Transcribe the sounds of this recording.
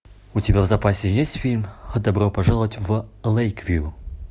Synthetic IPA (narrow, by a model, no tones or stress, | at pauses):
utʲɪbʲavzɐpasʲejesʲtʲfʲilʲmxəd̪ɐbropɐʐalˠəvətʲvəlˠejkvʲju